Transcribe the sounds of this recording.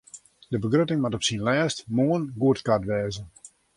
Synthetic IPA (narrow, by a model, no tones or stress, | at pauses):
dəbəɡrøtɪŋmatɔpsinlɛːstmoənɡuətkatʋɛːzə